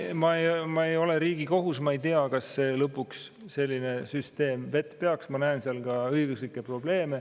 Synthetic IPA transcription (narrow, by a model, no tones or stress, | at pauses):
mɑejmɑe̞jo̞le̞ɾiːɡ̥iko̞ɦus̬mɑejt̪iɑkɑsːe̞ːlɤpːˑuks | se̞lʲːine̞syst̪e̞ːmve̞t̪ːˑpe̞ɑksmɑnæenseɑlɡɑɤjɡ̥uslikːˑe̞pro̞ble̞ːme̞